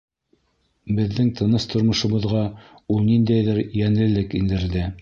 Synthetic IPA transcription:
bɘ̆ðːɘŋt̪ʰɤ̆nɤst̪ʰŏɾmŏʃŏβɤ̆ðʁɑ | ulˠnind̪æjðɘɾjænlɘ̆lɘkind̪ɘ̆ɾðɘ

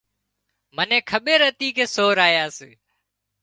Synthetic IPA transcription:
mənẽːkʰəɓeːɾət̪iːkʰeːsoːɾaːjaːseː

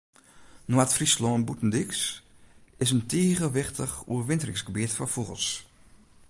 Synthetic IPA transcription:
noatfrislɔnbutn̩diks | ɪsəntʰiəɣəʋɪxtəχṵərʋɪntərɪŋsɡəbitfɔfuɣə̰lˠs

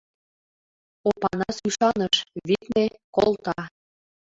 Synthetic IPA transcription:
opɑnɑsyʃɑnəʃβit̪nekolˠt̪ɑ

